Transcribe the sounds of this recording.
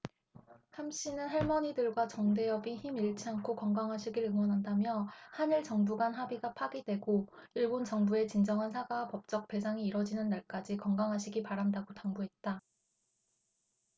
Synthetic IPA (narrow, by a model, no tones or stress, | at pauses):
hamɕ͈inɯnɦaɭmʌɲidɯɭɡwat͡ɕʌŋde̞jʌbiçimiɭt͡ɕʰiaŋkʰokʌŋɡaŋɦaɕʰiɡiɾɯŋwʌnɦandamjʌhaniɭt͡ɕʌŋbuɡanɦabiɡapʰaɡidwe̞ɡo | iɭbont͡ɕʌŋbue̞t͡ɕind͡ʑʌŋɦansʰaɡawapʌp̚t͡ɕ͈ʌk̚pe̞sʰaŋiːɾʌd͡ʑinɯnːaɭk͈ad͡ʑikʌŋɡaŋɦaɕʰiɡipaɾandaɡotaŋbuɦe̞t̚t͈a